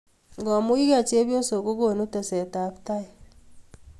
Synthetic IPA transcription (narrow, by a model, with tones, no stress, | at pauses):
ŋɡɔ˨mu˦i˦ɣa˦˨t͡ʃe˦βjo˦so˨ko˦ɣo˦˨no˦tɛ˨sɛ˨ta˨˦pta˦ɛ˨